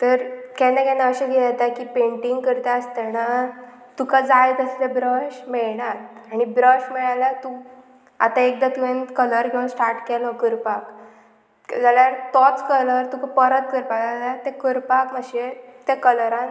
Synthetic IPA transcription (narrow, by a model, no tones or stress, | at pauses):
t̪əɾkɛnakɛnaəɕɛ̃ɡʱelat̪akiːpeɳʈiŋɡkəɾt̪aəst̪ɛna | t̪ukad͡zajt̪əslebɾəɕmeɭɳaɾaɽ̃ibɾəɕmɛɭalat̪u | a̰t̪aek̚d̪at̪uʋẽnkələɾkʰeʋaɳsʈaɾʈkɛlɔkəɾpak | d͡zaljaɾt̪ɔt͡skələɾt̪ukapəɾət̪̚kəɾpakd͡zaljaɾt̪ɛ̃kəɾpakməɕet̪ɛkələɾãn